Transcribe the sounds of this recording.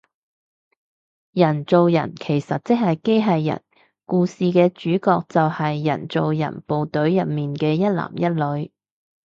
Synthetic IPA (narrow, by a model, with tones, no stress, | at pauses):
jɐ˨˩nt͡so˨wjɐ̰˨˩nkʰe˨˩jsɐ˨t̚t͡sɪ˥k̚hɐ˨jke˥jɦɐ˨jːɐ̰˨˩n | kuː˧siː˨kɛː˧t͡ʃyː˨˥kɔː˧k̚t͡sɐ˨whɐ˨jːɐ̰˨˩nt͡so˨wjɐ̰˨˩npo˨wt̪ɵ˨˥ɥjɐ˨t̚miː˨nkɛː˧jɐ˥t̚la̰ː˨˩mjɐ˥t̚lɵ˨˧ɥ